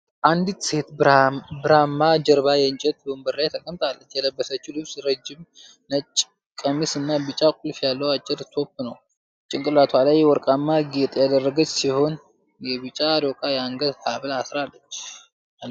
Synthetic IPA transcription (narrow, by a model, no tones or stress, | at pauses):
ʔand̪it̪se̞t̪bɨɾamːad͡ʒəɾβajɛɨnt͡ʃʼɛt̪bəmbəɾːajt̪ʰəkʼəmt̪ʰʼalːət͡ʃːjɛləbːəsət͡ʃːulɨbsɾəd͡ʒːɪm | nət͡ʃʼː | kʼəmisɨnːabɨt͡ʃʼakʷʼulfjalːəwat͡ʃʼːɪɾt̪ʰo̞pːnəw | t͡ʃʼːɪŋkʼɨlat̪ʰwalajwɔɾkʼamːaɡet̪ʼjad̪ərːəɡət͡ʃʼːsiho̞n | jɛβɨt͡ʃʼaɾokʼajɛaŋɡəd̪haβlasɾalːət͡ʃː | al